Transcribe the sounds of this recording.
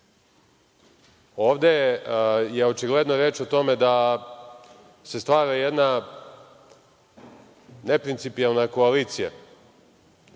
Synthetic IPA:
o̞ːʋd̪e̞ | jeo̞t͡ʃiɡle̞d̪noɾeːt͡ʃot̪o̞me̞d̪a | se̞st̪ʋaːɾajed̪na | ne̞pɾint̪sipialˠnako̞aliːt̪sija̰

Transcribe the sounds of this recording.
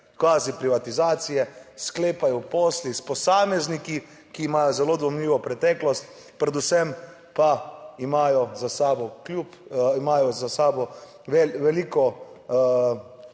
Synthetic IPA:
kʋaːzipɾiʋat̪izaːt̪sijɛskleːpajɔpoːslispɔsaːmɛzniki | kiːmaːjɔzɛloːd̪ʋɔmliːʋɔpɾɛt̪ɛklɔst̪ | pɾɛd̪usɛm | paimaːjɔzasaːbɔklʲjupimajɔzasaːbɔ | ʋɛʋɛlikɔ

